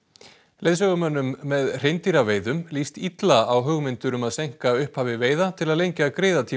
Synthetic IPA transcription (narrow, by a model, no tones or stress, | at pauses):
lejðsœɣʏmœnːʏmːɛðr̥ejnt̪iɾaveːjðʏmlist̪it̪laawɦʏɣmɪnt̪ʏɾʏmaðsejŋ̥kaʏhphaːvɪveːjðat̪ʰɪlaðlejɲcakɾeːjðat̪ʰiː